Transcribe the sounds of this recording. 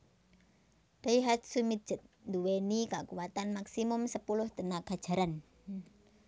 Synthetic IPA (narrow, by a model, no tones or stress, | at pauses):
d̥aiɦat̪sumit̪̚ʒ̥ə̤t̪̚nd̪uwenikakuwat̪anmaksimʊmsəpulʊhd̪̥ə̤naɡ̥a̤d̥ʒ̥a̤ɾan